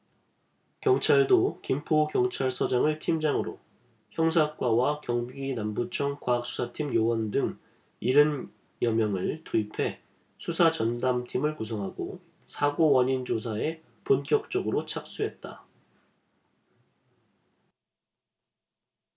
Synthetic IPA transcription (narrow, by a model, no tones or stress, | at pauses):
kjʌŋt͡ɕʰaɭdokimpʰokjʌŋt͡ɕʰaɭsʰʌd͡ʑaŋɯɭtʰimd͡ʑaŋɯɾo̰ | çjʌŋsʰak͈wawakjʌŋɡinambut͡ɕʰʌŋkwaɦak̚s͈u̥sʰatʰimjowʌndɯŋ | iɾɯn | jʌmjʌŋɯɭtuipʰe̞ | sʰusʰat͡ɕʌndamtʰimɯɭkusʰʌŋɦaɡo | sʰaɡowʌɲind͡ʑos̬ʰae̞ | ponk͈jʌk̚t͡ɕ͈ʌɡɯɾot͡ɕʰak̚s͈uɦe̞t̚t͈a̰